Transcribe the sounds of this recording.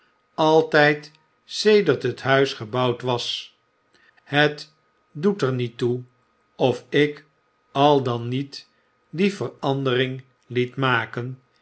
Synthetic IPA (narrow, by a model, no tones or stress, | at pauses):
ɑlˠtɛjt | sejdəɹtɦətɦœɥsχəbɑwtʋɑs | hət | dutəɹnitu | ɔfɪk | ɑlˠdɑnit | divərɑndəɾɪŋ | litmaːkən